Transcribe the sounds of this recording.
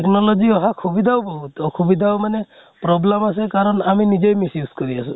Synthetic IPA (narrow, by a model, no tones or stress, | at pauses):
eknɔlɔziɔɦakʰubid̪ʱaʊbɔɦut̪ɔkʰubid̪ʱaʊmanɛ | pɾɔblemasɛkaɹɔnaminizejmisjuskɔɹiasʊ̃